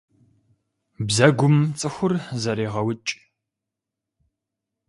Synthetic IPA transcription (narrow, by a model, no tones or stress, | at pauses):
bzɐɡʷʊmt͡sʼɨxʷʊrzɐɾeːʁɐwʊt͡ʃʼ